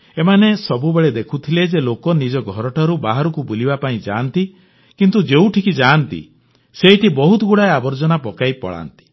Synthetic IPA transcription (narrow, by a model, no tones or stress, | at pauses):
emanesɔbubeɭed̪ekʰut̪ʰiled͡ʒelokɔnid͡ʒɔɡʱɔɾɔʈʰaɾubaɦaɾukubulibapaĩd͡ʒa̰ːnt̪i | kint̪ud͡ʒeũʈʰikid͡ʒaːnt̪ḭ | seiʈibɔɦut̪ɔɡuɽaeabɔɾd͡ʒɔnapɔkaipɔ̰ɭa̰nt̪i̥